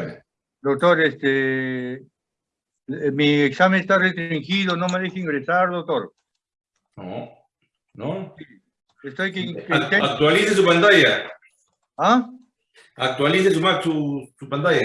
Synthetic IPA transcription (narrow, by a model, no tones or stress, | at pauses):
d̪ok̚t̪oɾest̪e | mieksamẽnest̪arest̪ɾiŋxiðonomeðexiŋɡɾesaɾðok̚t̪oɾ | no̰ | nosi | est̪ojkekat̪eak̚t̪walises̬upant̪aja | a | ak̚t̪walises̬umaksusupant̪aja